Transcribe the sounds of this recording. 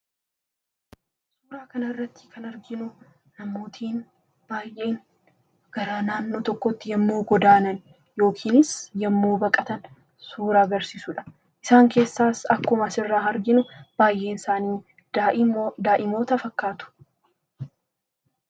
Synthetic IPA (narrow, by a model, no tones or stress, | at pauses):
suːɾaːkɐnɐɪrːɐt̪ːɪ̥kʰɐnɐɾɡɪnʊ | nɐmːo̞ːt̪ʰiːn | b̥aːjʔe̞ːn | ɡ̥ɐɾaːnaːnːoːt̪ɔkːɔt̪ːɪjɐmːuːɡɔd̪aːnɐn | jo̞ːkʰiːnɪsjɐmːuːbɐkʼɐt̪ɐn | suːɾaːɡɐɾsiːsʊᶑɐ̥ | ʔɪsaːŋke̞ːsːaːsɐkːʊmɐsɪrːaːɐɾɡɪnʊb̥aːjʔe̞ːnɪsaːniː | d̪aːʔɪmo̞ːt̪ɐfɐkːaːt̪ʊ̥